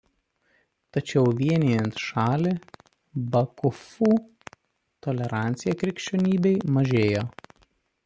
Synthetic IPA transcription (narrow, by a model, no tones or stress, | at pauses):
t̪ɐt͡ʃʲɛʊʋʲiɛnʲeːjɛnt̪ʃɑːlʲɪ | bɐkʊfuː | t̪ɔlʲɛɾɑˑnʲt̪sʲɪjɛkɾʲɪkʃʲt͡ʃʲoːnʲiːbʲɛɪmɐʒʲeːjoː